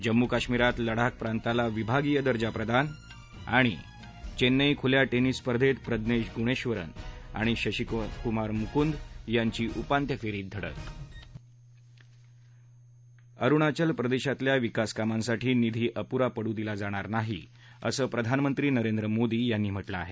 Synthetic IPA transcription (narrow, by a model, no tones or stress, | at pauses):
d͡ʑəmːukaɕmiɾat̪ləɽ̤ak̚pɾant̪alaʋibʱaɡijəd̪əɾd͡ʑapɾəd̪ʱan | a̰ɽ̃ḭ | t͡ɕenːəjkʰuljaʈenispəɾd̪ʱet̪pɾəd̪neɕɡuɽ̃eɕʋəɾə̰na̰ɽ̃iɕəɕikkumaɾmukund̪jaɲt͡ɕiːʔupant̪jəfeɾiːt̪̚d̪ʱəɽə̰t̪ | əɾuɽ̃at͡ɕəlpɾəd̪eɕat̪ljaʋikaskamãnsaʈʰiːnid̪ʱiːʔəpuɾapəɽũːd̪ilad͡zaɽ̃aɾnaɦḭ | ə̰səːpɾəd̪ʱanmənt̪ɾiːnəɾend̪ɾəmod̪iːjanːiːm̤əʈləa̰ɦe